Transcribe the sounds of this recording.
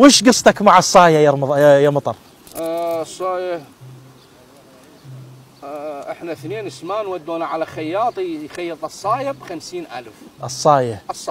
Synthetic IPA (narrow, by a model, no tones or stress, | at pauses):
wɪːʃɡɑsˤt̪ˤɑkmaʕɑsˤːɑːjajaˤmðˤɑjamɑt̪ˤɑɾˤ | sˤːɑːja | ʔɪħnaθneːnɪsmaːnwad̪ːoːnaʕalaxajːɑːt̪ˤijxajːɨt̪ˤɨsˤːɑːjabxamsiːnʔa̰lfʔɨsˤːɑːjaˤ